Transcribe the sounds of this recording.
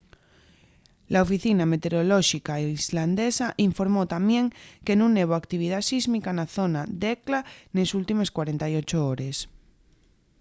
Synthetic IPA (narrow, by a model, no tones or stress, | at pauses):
laofiθiname̞t̪e̞ɾo̞loʃikaizland̪esaʔiɱfo̞ɾmot̪amjeŋke̞nũŋnːeβ̞oakt̪iβ̞ið̞asizmikanaθo̞nad̪eklanesult̪ime̞skwaɾe̞nt̪ajo̞t͡ʃooɾe̞s